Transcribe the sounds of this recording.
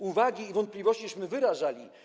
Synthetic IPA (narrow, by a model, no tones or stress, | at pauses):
uvaɡʲiːvɔnt̪plʲivɔɕt͡ɕiɕmɘvɘɾaʐalʲi